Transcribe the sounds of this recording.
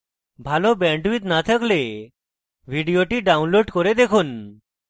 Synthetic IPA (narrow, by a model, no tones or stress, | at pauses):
bʱalɔbɛ̃ɳʈʋiːt̪nat̪ʰəkle | ʋiɖijoʈiɖaunloɖkɔɾed̪ekʰuːn